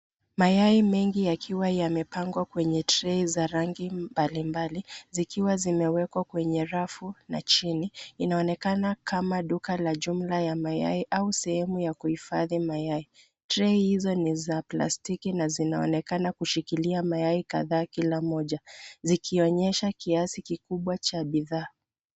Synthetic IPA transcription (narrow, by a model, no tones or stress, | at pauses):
majaimɛŋɡijakʰiwajamɛpaŋɡwakwɛɲɛtɾɛizaɾaŋɡimbalimbalizikʰiwazimɛwɛkwakwɛɲɛɾafunat͡ʃiniːnaɔnɛkanakʰamaɗukalaʄum̩lajamaja̰iʔausɛhɛmujakuhifaðimajai | tɾɛihizɔnizapla̰stikinazinaɔ̰nɛkanakuʃikiliamajaikaðaːkilamɔʄazikʰiɔɲɛʃakiasikikuɓwat͡ʃaɓiðaː